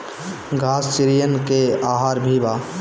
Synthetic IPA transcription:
ɡʱaːst͡ʃɪɾijənkeaːɦaːɾbʱiba

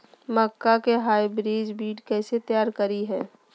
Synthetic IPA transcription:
məkːakeɦaːibɾiːd͡ʒbiːɖkɛːset̪jaːɾkəɾiɦɛː

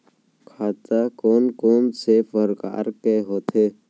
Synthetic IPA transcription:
kʰaːt̪akoːnkoːnsefəɾka̰ːɾkeɦoːt̪ʰe

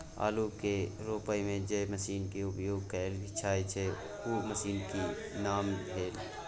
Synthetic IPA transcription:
a̰ːlukeɾoːpəjmẽd͡ʒeməsiːnkeʊpjoːɡ̚kəlbʱɪt͡ʃʰaːet͡ʃʰe | uməsiːnki | naːmbʱeːl

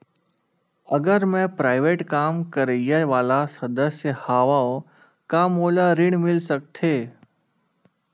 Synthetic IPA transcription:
ɐɡəɾmɛ̃pɾaːɪʋeːʈkaːmkəɾejəʋaːlasɐd̪əsjəhaːʋaõ | kamoːlaɾɪɽ̃mɪlsək̚t̪ʰeː

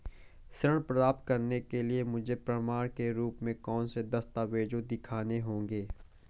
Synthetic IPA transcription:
sɾəɽ̃ɳpɾəaːp̚t̪̚kɐɾnekeliemʊd͡ʒʱepɾəmaːɾkeɾuːpmẽkɔːnsed̪ɐst̪aʋeːd͡ʒõd̪ɪkʰaːneɦõːŋɡeː

